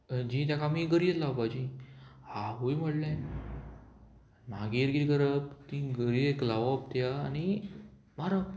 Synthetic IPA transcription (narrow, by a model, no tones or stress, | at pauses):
d͡ʑiːt̪̬jakamiɡəɾiet̪laʋbad͡ʑihaɦojm̤əɽlã | maɡiɾɡiiɡəɾəp̚t̪ĩɡəɾieklaʋəp̚t̪jaːni | maɾa